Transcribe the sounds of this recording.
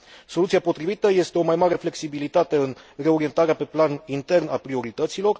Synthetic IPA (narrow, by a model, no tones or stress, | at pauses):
so̞lut̪siapo̞t̪ɾivit̪əje̞st̪e̞o̞majmaɾe̞fle̞ksibilit̪at̪e̞ɨnre̞o̞ɾie̞nt̪aɾeape̞planint̪e̞rnapɾio̞ɾit̪ət̪silo̞r